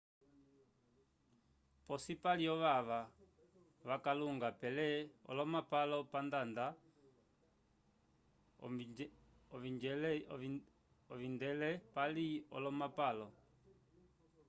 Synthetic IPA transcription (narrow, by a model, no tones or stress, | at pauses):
pɔsipaliɔʋaʋa | ʋakaluŋɡapɛlɛɔ̰lɔmapalɔpandanda | ɔβind͡ʒɛl | ɔʋindɛlɛpaliɔ̰lɔmapalɔ